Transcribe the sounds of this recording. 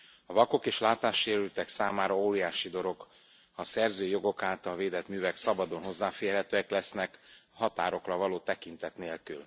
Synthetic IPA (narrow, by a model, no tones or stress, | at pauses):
ɒvɒko̞keːʃlaːt̪aːʃːeːɾylt̪ɛksaːmaːɾɒoːɾijaːʃid̪o̞ɾo̞ɡ | hɒsɛrzøːjo̞ɡo̞kaːt̪ɒlveːd̪ɛt̪myːvɛksɒbɒd̪o̞nɦo̞zːaːfeːrɦɛt̪øːɛklɛsnɛkhɒt̪aːɾo̞krɒvɒloːt̪ɛkint̪ɛt̪neːlkyl